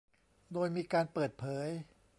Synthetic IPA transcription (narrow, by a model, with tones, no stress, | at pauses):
doː˧jmiː˧kaː˧npɤː˨˩t̪̚pʰɤː˩˦j